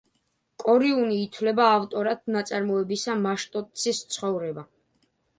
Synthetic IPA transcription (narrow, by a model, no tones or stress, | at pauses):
kʼɔɾiuniːt̪ʰwlɛbaːft̪ʼɔɾat̪̚ʰnat̪sʼaɾmɔɛbisamaʃt̪ʼɔt̪ʼsʰist̪sʰχɔvɾɛba